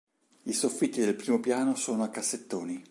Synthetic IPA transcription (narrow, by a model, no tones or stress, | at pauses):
isofːit̪ːid̪elpɾiːmopjaːnosoːnoakːasːet̪ːoːni